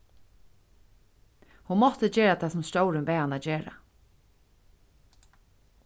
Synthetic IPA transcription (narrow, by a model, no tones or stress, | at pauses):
hunmɔht̪əd͡ʒeːɾat̪ʰaːsʊmst̪oːwɾɪnpɛːanaːd͡ʒeːɾa̰